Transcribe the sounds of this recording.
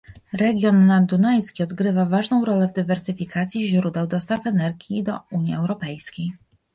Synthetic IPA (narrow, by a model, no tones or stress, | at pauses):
ɾɛɡʲjɔnːad̪unajskʲiɔd̪ɡɾɘvavaʐnɔ̃w̃ɾɔlɛvd̪ɘvɛɾsɘfʲikat̪sʲjiʑɾud̪ɛwd̪ɔst̪afɛnɛɾɡʲjid̪ɔ̰uɲjiɛwɾɔpɛjskʲej